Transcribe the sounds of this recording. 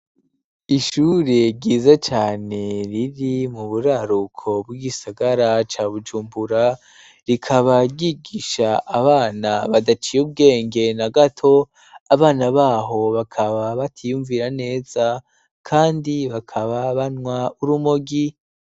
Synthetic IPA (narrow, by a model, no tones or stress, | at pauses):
iʃuɾe̞ɟiːzat͡ʃaːne̞ɾiɾimuβuɾaɾukʰo̞b̚ɡiɡisaɡaɾat͡ʃaːβud͡ʒuːmbuɾa | ɾikʰaβaɡiɡiʃaːβaːnaβadat͡ʃijub̚ɡe̞ːŋɡe̞naɡatʰo̞ | aβaːnaβaːɦo̞βakʰaβaβatʰijuɱviɾane̞ːz̥a | kʰaːndiβakʰaβaβanŋwauɾumoɡi